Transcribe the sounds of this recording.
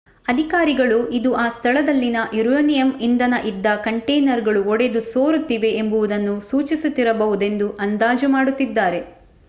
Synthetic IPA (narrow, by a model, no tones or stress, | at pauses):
ɐd̪ʱikaːɾiɡɐɭuʔid̪uaːst̪ʰɐɭɐd̪ɐlːinɐʔjuɾɐnijɐmind̪ɐnɐʔid̪ːɐkɐɳʈejnɐɾɡɐɭuɔɽe̞d̪usoːɾut̪ːiʋe̞embuʋud̪ɐnːusuːt͡ʃisut̪ːiɾɐbɐʋud̪e̞nd̪uʔɐnd̪aːd͡ʒɐmaːɽut̪ːid̪ːaːɾe̞